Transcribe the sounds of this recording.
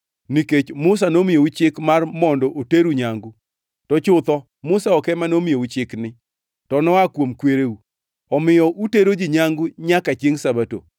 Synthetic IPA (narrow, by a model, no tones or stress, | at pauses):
niket͡ʃmʊs̬anomɪout͡ʃɪkmarmɔndɔʔoteɾuɲaŋɡu | tɔt͡ʃʊt̪ɔ | mʊsaɔkɛmanomɪjout͡ʃɪknɪ | tɔnɔakwomkweɾeu | ɔmɪjɔʔuteɾod͡ʒɪɲaŋɡʊɲakat͡ʃeŋsabato̰